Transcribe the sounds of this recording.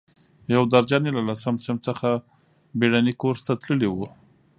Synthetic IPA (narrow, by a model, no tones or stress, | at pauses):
jawd̪aɾd͡ʒɑnelalasamsɪmt͡səxa | beɽanikoɾt̪at̪ləliwu